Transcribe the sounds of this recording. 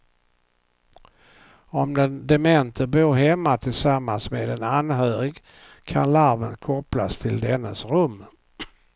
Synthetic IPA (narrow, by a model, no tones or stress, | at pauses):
ɔmd̪ɛnd̪ɛmɛnt̪ʰəɾboːɾɦɛmːat̪ʰɪlsamːansmḛːd̪ɛnanɦøːɾɪɡ | kʰa̰nlaɾvənkʰɔplast̪ʰɪld̪ɛnːəsɾɵmː